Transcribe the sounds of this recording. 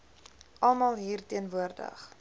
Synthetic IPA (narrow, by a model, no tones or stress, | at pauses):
ʔɐlˠmɑːlˠɦiːrtiənvuərdə̰χ